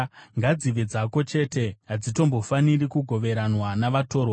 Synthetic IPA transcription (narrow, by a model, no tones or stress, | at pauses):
ŋɡad͡ziʋed͡zako̞t͡ʃe̞ːte̞ɦad͡zito̞mbo̞fanirikuɡʱo̞ʋe̞ɾanwanaʋato̞ːrwa